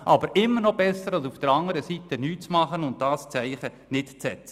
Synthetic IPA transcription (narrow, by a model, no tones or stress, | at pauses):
ʔɑbəɾɪmːənɔbɛsːəɾɑlsufd̥əɾɑŋəɾəsitənyːtt͡smɑχənʊnt̚d̥ɑːst͡sæɪχə | nɪtt͡sɛt͡sə̥